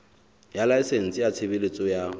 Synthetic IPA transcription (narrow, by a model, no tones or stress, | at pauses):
jalaɪsen̩sʼɪjat͡sʰebelet͡sʼɔja